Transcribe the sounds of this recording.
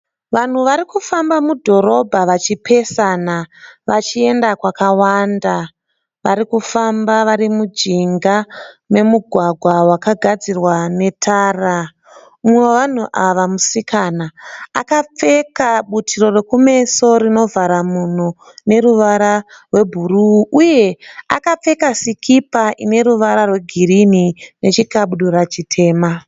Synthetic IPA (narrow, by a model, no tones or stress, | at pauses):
ʋan̤uʋaɾikufambamudʱo̞ɾo̞bʱaʋat͡ʃipʰe̞sanaʋat͡ʃie̞ndakwakawanda | ʋa̰ɾikufambaʋaɾimud͡ʒiŋɡame̞muɡʱwaɡʱwawakaɡʱad͡zirwane̞tʰaːra | umeʋan̤uʔaʋamusikʰanaːkap͡fe̞kaɓutʰiro̞re̞kume̞so̞rino̞vʱaɾamun̤u | ne̞ɾuʋaɾarwe̞bʱuruʔuje̞a̰kap͡fe̞kasikʰipaʔine̞ɾuʋaɾarwe̞ɡʱirinine̞t͡ʃikaɓuɗuɾat͡ʃitʰe̞ːma